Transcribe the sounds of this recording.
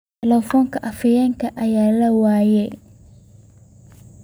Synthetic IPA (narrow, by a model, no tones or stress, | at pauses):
ɛlɛfɔːŋkʰɐʔɐfɐjɛŋkʰɐʔɐjaːlɐwaːjɛ